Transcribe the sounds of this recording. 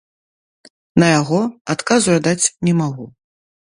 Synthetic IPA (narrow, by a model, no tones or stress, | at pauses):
nɐjaɣɔat̪kazuad̪at͡sʲnʲɛmaɣu